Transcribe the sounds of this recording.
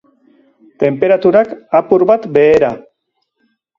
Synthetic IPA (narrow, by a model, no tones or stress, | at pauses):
t̪e̞mpe̞ɾat̪uɾakapuɾbat̪be̞ːɾa